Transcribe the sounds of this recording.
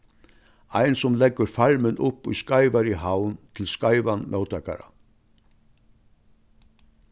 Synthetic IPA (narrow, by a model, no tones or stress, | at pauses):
a̰jnsʊmlɛkɡəɾfaɾmɪnʊpːṵjskajʋaɾiɦawnt̪ʰɪlskajʋanmʔœwt̪aka̰ɾa̰